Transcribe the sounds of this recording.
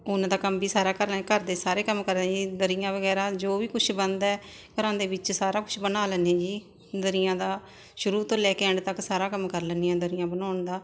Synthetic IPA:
ʊnãd̪aːkəmbiːsaːɾaːkəɾːkəɾd̪eːsaːɾeːkəmkəɾd̪ɛ̃ːd͡ʒiːd̪əɾɪjãːʋəɡɛːɾaːd͡ʒoːʋiːkʊt͡ʃʰbənd̪ɛː | kəɾãːnd̪eːʋɪt͡ʃsaːɾaːkʊt͡ʃʰbənaːlənːẽːd͡ʒiː | d̪əɾɪjãːd̪aː | ʃʊɾuːt̪õːlɛːkeəɳɖt̪əksaːɾaːkəmkəɾlənːiːãːd̪əɾɪjãːbənaːnd̪aː

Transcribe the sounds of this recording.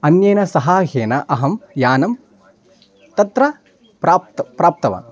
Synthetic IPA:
ɐnjeːnɐsɐɦaːɦeːnɐʔɐɦɐmjaːnɐm | t̪ɐt̪ɾɐ | pɾaːpt̪pɾaːp̚t̪ɐʋɐ̰

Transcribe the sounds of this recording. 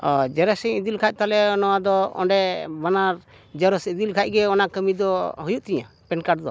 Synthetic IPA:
ɔd͡ʒɛɾɛsɛ̃id̪ilkʰac̚t̪alɛɔnɔwad̪ɔɔ̰ɳɖɛbanaɾ | d͡ʒɛɾɔsid̪ilkʰac̚ɡɛɔnakəmid̪ɔɦujuʔt̪ɛɲa̰ | pɛnkaɖd̪ɔ

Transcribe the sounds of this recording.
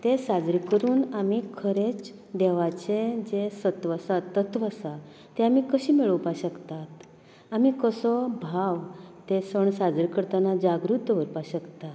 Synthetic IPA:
t̪esad͡zɾikəɾuːnamikʰəɾet͡s | d̪ɛʋat͡ɕed͡ʑesət̪ʋəsat̪ːət̪ʋəsa | t̪eamiːkəɕiːmiɭəwpaɕəkt̪at̪ | amikəsɔbʱaʋt̪esəɳsad͡zɾikəɾt̪anad͡ʑaɡɾut̪əʋəɾpaɕəkt̪a

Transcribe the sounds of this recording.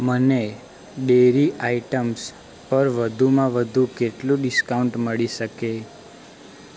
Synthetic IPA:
məne | ɖeɾiʔaiʈəms | pəɾʋəd̪ʱumãʋəd̪ʱukeʈlũɖɪskauɳʈməɭiʃəke

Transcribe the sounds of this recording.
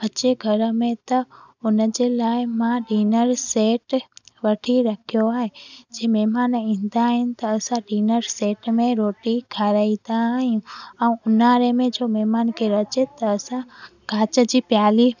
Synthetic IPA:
ət͡ʃeɡʱəɾmẽt̪ɐʊnəd͡ʑelaːɪmãɖiːnəɾseːʈʋəʈʰiɾəkʰijoaːɦed͡ʒeːmɛɦmaːnĩːnd̪aɦɪnɪ̆t̪ɐːsãɖiːnəɾseːʈmẽɾoːʈikʰaɾaid̪aɦijũə̃ʊnaɾemẽd͡ʒoːmɛɦmaːnkʰeɾɐt͡ʃet̪əːsãɡʱaːt͡ʃəd͡ʑiːpjaːli

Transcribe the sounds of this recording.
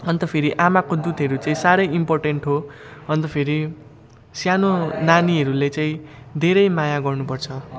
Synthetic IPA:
ʌnt̪ʌpʰeɾiʔamakod̪ud̪ɦʌɾut͡saĩsaɾʌjimporʈeɳʈɦoʌnt̪ʌpʰeɾi | sjanonaniɦʌɾulet͡saĩd̪ʱeɾʌjmajaɡʌrnupʌrt͡sʰʌ

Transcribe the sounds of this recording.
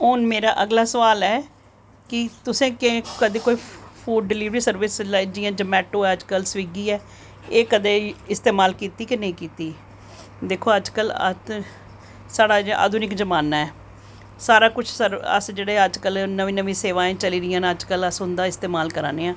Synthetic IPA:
oːnmeːɾaːʔəɡlaːsəʋaːlɛː | kɪt̪ʊsẽːkẽkəd̪eːkoːiːpʰuːɖːɪliːʋɾiːsəɾʋɪslad͡ʒiːãːd͡ʒəmɛːʈoːɛːəd͡ʒkəlsʋiːɡiːɛː | eːkəd̪eːɪst̪eːmaːlkiːt̪iːkɪneĩːkiːt̪iː | d̪eːkʰːoːəd͡ʒkələ̰t̪ | saːɽaːa̰ːd̪ʱʊnɪkd͡ʒəmaːnaːɛː | saːɾaːkʊt͡ʃʰsəɾə̰sd͡ʒeːɽeːəd͡ʒkəlnəʋĩːnəʋĩːseːʋãːẽːt͡ʃəliːɾɪjãːnəd͡ʒkələsɦʊ̃nd̪aːɪst̪eːmaːlkəɾa̰ːneːãː

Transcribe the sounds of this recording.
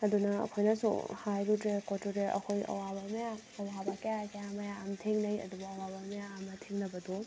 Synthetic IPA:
ɐdunɐɐ̰kʰojnɐsṵhajɾutɾekotutɾeʔɐ̰kʰojɐ̰wabɐmɐja | ɐlabɐkejakejamɐjaːmtʰeŋnɐjɐ̰dubɐːwabɐmɐjaːmɐtʰeŋnɐbɐdu

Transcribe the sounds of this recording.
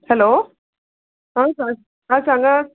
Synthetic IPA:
hɛloː | ãːsa | ãːsaŋɡa

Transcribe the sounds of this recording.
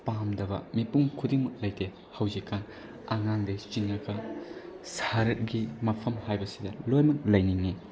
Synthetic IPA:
pamdɐbɐ̰mipuŋkʰudiŋmɐk̚lɐjte | hɐwzikːan | aŋaŋdet͡ʃiŋɐkɐ | saɾɡimɐpʰɐmhajbɐsidɐlojmɐk̚lɐjniŋːi

